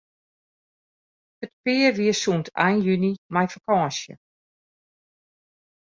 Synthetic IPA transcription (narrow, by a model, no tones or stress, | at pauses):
hətpɪːəʋiəsuntʰa̰jnjynimajfakɑ̃ːsjə̰